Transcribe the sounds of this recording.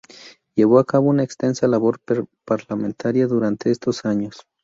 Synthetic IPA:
jeβ̞oakaβo̞unaekst̪ensalaβoɾpaɾlamẽnt̪ʰaɾjaðuɾant̪eest̪osaɲos

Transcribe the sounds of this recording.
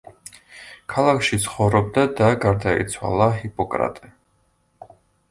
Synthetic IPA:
kʰalˠakʰʃit̪sʰχɔvɾɔb̚d̪ad̪aɡaɾd̪aḭt̪sʰwa̰lˠaɦipʼɔkʼɾa̰t̪ʼɛ

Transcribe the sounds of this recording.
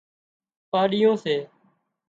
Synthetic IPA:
paːɗɪjõːseː

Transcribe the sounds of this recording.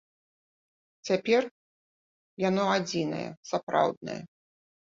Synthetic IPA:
t͡sʲapʲɛr | janɔad͡zʲinɐ̰jɛ̰sapɾa̰wd̪̚nɐ̰jɐ̰

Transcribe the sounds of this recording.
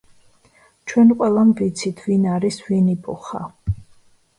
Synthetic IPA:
t͡ʃʰwɛnqʼwɛlˠamvit̪sʰit̪ʰvinaɾisvinibʼɔ̰χa̰

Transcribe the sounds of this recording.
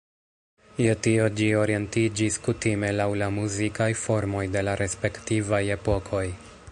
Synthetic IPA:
jetio̞d͡ʒio̞ɾie̞ntid͡ʒiskutime̞lawlamuzikajfo̞ɾmo̞jde̞laɾe̞spe̞ktivaje̞po̞kʰo̞j

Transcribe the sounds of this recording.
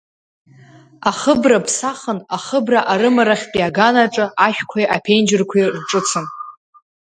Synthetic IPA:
aχəbrapʰsaχənaχəbraʔaɾɨmaɾaχʲpʼiaɡanaʈ͡ʂʼɨʔaʃᶣkʷʰajʔapʰend͡ʒɪrkʷʰirʈ͡ʂʼɨt͡sʰɨn

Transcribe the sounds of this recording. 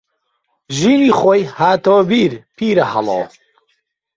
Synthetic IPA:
ʒiːniːχoːjhaːt̪owbiːɾpʰiːɾɐhɐ̰lo̰ː

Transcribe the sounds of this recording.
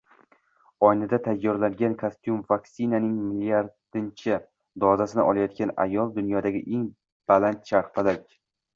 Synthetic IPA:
ɒjnɪd̪at̪ʰajːɒɾlaŋɡʲankʰast̪jumvaksɪnanɪŋmɪlijaɾd̪ɪnt͡ʃʰɪ | d̪ɒzasɪnɪ̰ʔɒlˠajɒt̪̚kʲana̰jɒlˠd̪ʊnjɒd̪aɡʲɪʔe̞ŋ | b̥alant̪ʃaɾpalakʲ

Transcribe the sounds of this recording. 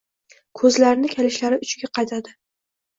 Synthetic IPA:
kʰɵzlaɾnɪkʲʰelɪʃlaɾɪʊt͡ʃʰɪɡʲaqʰɑjt̪ʰad̪ɪ

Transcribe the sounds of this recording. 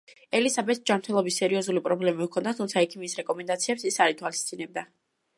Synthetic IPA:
ɛlisabɛt̪sd͡ʒamɾt̪ʰɛlˠɔbisːɛɾiɔzulipʼɾɔblɛmikʰɔnd̪at̪ʰumt̪sʰaɛkʰimisɾɛkʼɔmɛnd̪at̪sʰiɛpsisaɾit̪ʰwalist̪z̥ʼinɛb̚d̪a

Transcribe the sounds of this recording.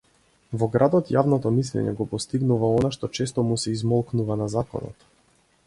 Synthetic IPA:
vɔɡɾad̪ɔt̪javnɔt̪ɔmislɛ̰ɲɛ̰ɡɔpɔst̪iɡnuvaɔnaʃt̪ɔt͡ʃɛst̪ɔmusɛizmɔlˠknuvanazakɔ̰nɔ̰t̪

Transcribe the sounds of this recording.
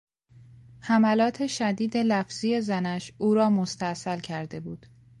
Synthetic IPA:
hæmælɒːt̪ʰe̞ʃæd̪iːd̪e̞læfz̥ijezænæʃʔuːɾɒːmost̪æʔsælcʰæɾd̪e̞buːd̪̥

